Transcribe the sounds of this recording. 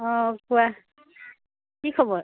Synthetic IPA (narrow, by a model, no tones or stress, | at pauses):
ɔ̃kuwa | kikʰɔbɔɹ